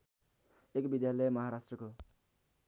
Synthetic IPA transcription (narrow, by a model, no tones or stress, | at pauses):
ekbid̪jalʌjmʌɦaɾasʈrʌko